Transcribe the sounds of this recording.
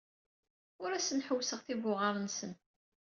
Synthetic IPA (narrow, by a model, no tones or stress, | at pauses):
ʊɾæsənħəwːsəʁθibʊʁəɾˤənsən